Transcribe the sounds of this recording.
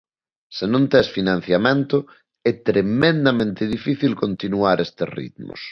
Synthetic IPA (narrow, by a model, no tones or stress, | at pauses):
senõnt̪ɛsfinãn̟θjamẽnt̪ʊ | ɛt̪ɾemẽnd̪amẽnt̪ɪð̞ifiθilkont̪inuaɾest̪erḭt̪mʊ̰s